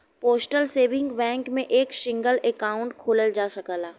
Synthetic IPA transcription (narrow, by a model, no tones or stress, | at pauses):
poːsʈəlseːʋɪ̃ŋɡbɛ̃ːŋkmẽʔeːkʃɪ̃ŋɡəlɛkaːʊ̃ɳʈkʰoːləld͡ʒaːsɐkəlaː